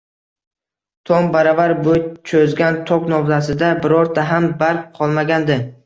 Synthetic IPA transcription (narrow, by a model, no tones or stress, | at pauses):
t̪ʰɒmbaɾavaɾbot͡ʃʰɵzɡʲant̪ʰɒknɒwzasɪd̪abɪɾɒɾt̪ʰaɦambaɾk̚ʲqʰɒlˠmaɡʲand̪ɪ